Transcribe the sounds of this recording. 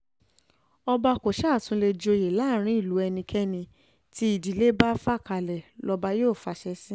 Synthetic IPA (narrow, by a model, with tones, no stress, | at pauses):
ɔ˧ba˧ko˨ʃa˦˨tũ˨˦le˧d͡ʒo˧je˨la˨˦˨ɾ̃ĩ˦i˦˨lu˨˦ɛ˧nĩ˧kʰɛ˦nĩ˧ | ti˧˦i˨di˨le˨˦ba˦fa˦˨ka˧˨lɛ˨lɔ˧ba˧joː˦˨fa˧˦ʃɛ˧˦sĩ˦